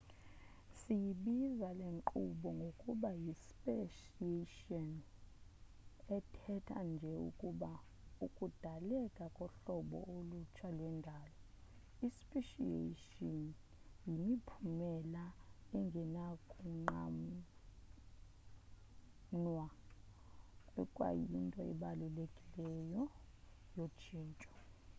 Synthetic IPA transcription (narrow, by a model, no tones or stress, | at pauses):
sijiɓizaleŋǃuɓɔŋɡʱokʼuɓajispʼeʃ | ieʃiɔn | ɛtʰɛtʰa̰nd͡ʒʱɛṵkʼuɓa | ukʼud̥ʱalɛkʼakʼɔɬɔɓɔ̰olut͡ʃʰalwɛndʱaːlɔ | ispʼiʃiḛʃɔn | jimipʰumɛlaɛŋɡʱɛnakʼuŋ͡ǃa̰m | nwa | kʼwɛkʼwa̰jintʼɔɛ̰ɓalulekʼilɛjɔ | jot͡ʃʰiːnt͡ʃʼɔ̥